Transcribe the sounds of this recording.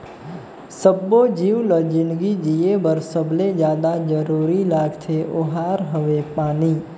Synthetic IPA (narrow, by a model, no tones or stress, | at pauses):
səbːod͡ʒiʋləd͡ʒɪnɡid͡ʒiebəɾsəbled͡ʒjaːd̪ad͡ʒəɾuɾilaːɡt͡ʃʰeʔoɦaːɾɦəʋepaːniː